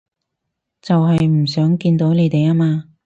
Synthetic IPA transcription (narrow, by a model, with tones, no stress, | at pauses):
t͡sɐ˨wɦɐ˨jm̩˨˩s̬œː˨˥ŋkiː˧nt̪o˨˥wne˨˧jt̪e˨jaː˥maː˧